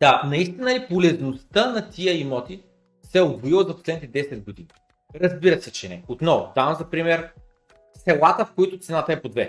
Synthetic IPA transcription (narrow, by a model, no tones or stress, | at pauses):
d̪̥anɐist̪inəlipolɛznost̪ənɐt̪iəimɔt̪i | sɛoboilˠəzɐpo̥slɛd̪nit̪ɛd̪ɛsɛd̪̚ɡod̪ḭni | ɾɐzbiɾɐsɛt͡ʃɛnɛ̰ot̪nɔvʊd̪avɐmzɐpɾimɛɾ | sɛlˠat̪əfkoit̪ʊt̪sɛnat̪ɐɛpod̪vɛ